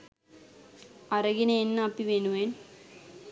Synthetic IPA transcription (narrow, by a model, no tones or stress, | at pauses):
ɐrɐɡineenːaːpːiʋeːnuʋeːn